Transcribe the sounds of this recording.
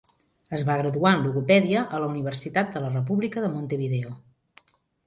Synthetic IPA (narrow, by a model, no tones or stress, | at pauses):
əzβaɣɾəðuanluɣupɛðiəʔələuniβ̞ərsit̪at̪̚d̪ələrəp̬uβlikəðəmont̪əβiðeo